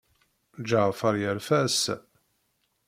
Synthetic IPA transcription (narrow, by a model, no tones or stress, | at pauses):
d͡ʒaʁfaɾˤjəɾfæs